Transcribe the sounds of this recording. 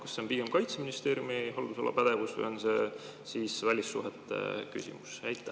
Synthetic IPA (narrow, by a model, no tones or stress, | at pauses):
kɑ̥sːe̞onpiɡ̥e̞mkɑjt̪seminist̪e̞ːɾjumihold̪uso̞lːɑ̰pæd̪̥e̞vusvṵjo̞nse̞ | siːsvælʲisːuɦet̪ːˑḛky̰sʲḭmu̥sæjt̪ːˑæ